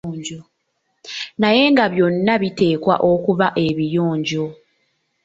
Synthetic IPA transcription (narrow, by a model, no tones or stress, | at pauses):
ɲɟo | naje̞ŋɡaβjo̞nːaβite̞ːkwa̰ʔo̞kuβaʔe̞βijoːɲɟo